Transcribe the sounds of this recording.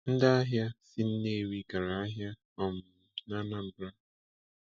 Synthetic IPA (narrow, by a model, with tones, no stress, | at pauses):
n̩˦da˦a˦ɦja˦sɪ˦n̩˦ne˦˨ɾi˦ɡa˨ɾa˨a˦ɦja˦ | ɔ˦mʊ˨na˦na˦m̩˦bɾa˦